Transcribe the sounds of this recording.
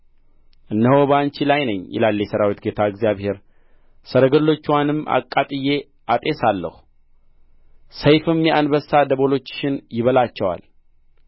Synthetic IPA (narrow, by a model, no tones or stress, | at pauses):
ʔɨnːəho̞bant͡ʃilajnəɲːjɛ̰lalːjɛsəɾawit̪ɡet̪ʰaɨɡzjaβhe̞ɾ | səɾəɡəlːo̞t͡ʃːwanɨma̰kʼːat̪ʼɨjːe̞ | ʔat̪ʼe̞salːə̰hu | səjfɨmjɛʔanbəsad̪əβo̞lo̞t͡ʃːʃɪnjɪβəlat͡ʃːɛwa̰l